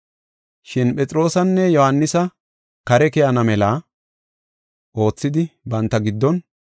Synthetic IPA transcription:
ʃɪnpʼɛt͡sʼɾo̞ːsɐnːɛjɔhɐnːɪsɐ | kɐɾɛkɛjɐnɐmɛlaː | ʔo̞ːt͡sːɪd̪ɪbɐnt̪ːɐɡɪd̪ːɔn

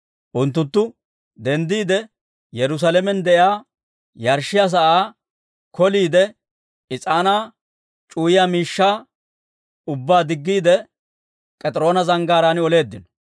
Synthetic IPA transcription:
ʔʊnt̪̬ːʊnt̪ːʊ | d̪ɛnd̪iːd̪ɛ | jɛɾʊs̬alɛmɛnd̪ɛjaː | jɐɾʃːɪjaːs̬ɐʔaː | kɔliːd̪ɛ | ɪt͡sʼaːnaː | t͡ʃʼuːjɪjaːmiːʃːaː | ʊbːaːd̪ɪɡːiːd̪ɛ | pʼɛt̪ʼɾo̞ːnɐzɐŋɡaːɾaːnɪɔle̞ːd̪ːɪnɔ̥

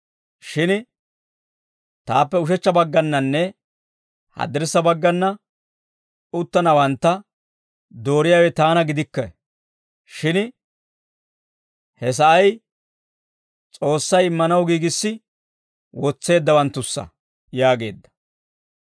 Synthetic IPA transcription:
ʃɪn | t̪aːpːɛʊʃ̬ɛt͡ʃːɐbɐɡːɐnːɐnːɛ | hɐ̰d̪ɪɾsːɐbɐɡːɐnːɐ | ʊt̪ːɐnɐwɐnt̪ːɐ | d̪o̞ːɾɪjawɛt̪aːnɐɡɪd̪ɪkːɐ̰ | ʃɪn | hɛs̬ɐʔɐj | t͡sʼo̞ːsːɐjɪmːɐnɐwɡiːɡɪsːɪ | wɔt͡sːe̞ːd̪ːɐwɐnt̪ːʊsːɐ̰ | jaːɡe̞̰ːd̪ːɐ̥

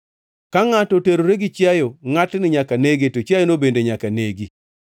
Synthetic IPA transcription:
kaŋatoteɾoɾeɡɪt͡ʃjajoŋatnɪɲakaneɡetot͡ʃajonobendeɲakaneɡi

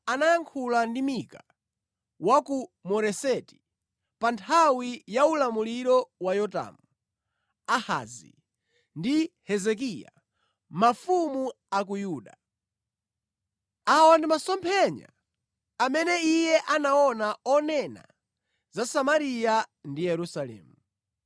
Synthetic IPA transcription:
anajaŋkʰulandimika | wakumɔɾɛsɛti̥ | pantʰawijaulamuliɾɔwajɔta̰mu | aha̰zḭ | ndihɛzɛk̬ija̰ | mafumu | akujuːɗa | awɔndimasɔmpʰɛɲa̰ | amɛnɛijɛʔanaɔnaɔnɛna̰ | zasamaɾijandijɛɾusalɛ̰ːmu

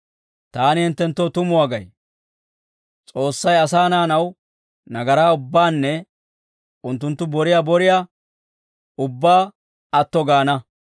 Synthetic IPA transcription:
t̪aːnɪhɛnt̪ːɛnt̪ːoːt̪ʊmʊwaːɡɐj | t͡sʼo̞ːsːɐjɐsaːnaːnɐw | nɐɡɐɾaːʊbːaːnːɛ | ʊnt̪ːʊnt̪ːʊbɔɾɪjabɔɾɪja | ʊbːaː | ɐt̪ːɔɡaːnɐ

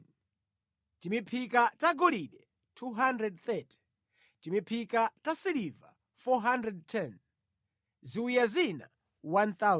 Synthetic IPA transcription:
timipʰikataɡɔliɗɛ | tʰuɦandɾɛd̚θɛti̥ | timipʰikatasiliva̰ | fɔɦandɾɛd̚tʰɛn | ziujazina̰ | wanθa

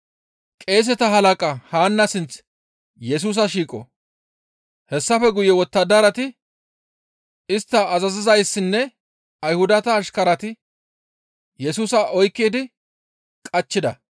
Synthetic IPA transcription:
kʼe̞ːs̬ɛt̪ɐɦɐlɐkʼɐhaːnːɐsɪnt͡s | jɛs̬uːs̬ɐʃiːkʼɔ̰ | hɛsːɐfɛɡʊjɛwɔt̪ːɐd̪ɐɾɐt̪ɪ | ɪst̪ːɐːzɐzɪzɐjsːɪnːɛ | ɐjhʊd̪ɐt̪ɐːʃkɐɾɐt̪ɪ | jɛsuːsɐʔɔjkːiːd̪ɪ | kʼɐt͡ʃːɪd̪ɐ

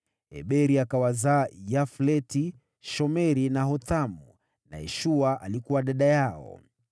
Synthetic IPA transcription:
ɛ̰ɓɛɾiakawazaːjaflɛti | ʃɔmɛɾinaɦɔtamu | na̰jɛ̰ʃuaʔalikuwaɗaɗajaɔ̰

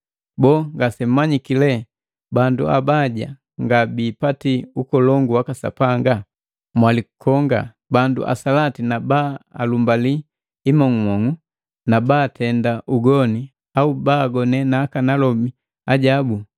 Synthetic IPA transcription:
bɔːŋɡasɛm̩maɲikilɛ | bandua̰baɟa | ŋɡabiːpatiukɔlɔŋɡuwakasa̰paŋɡa | mwaliku̥kʰɔŋɡa̰ | bandṵʔa̰salatinabaalumbaliː | mɔŋumɔŋu | nabatʰɛndaʔuɡɔni | aubaːɡɔnɛnaːkanalɔmi | aɟabu

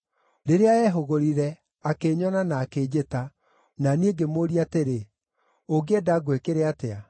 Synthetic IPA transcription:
ɾeɾeaɛɦoɣoɾiɾɛ | akeɲɔnanaːkeːd͡ʑeta | nanieɡemoːɾiateɾe | oɡedaɡwekeɾeatea

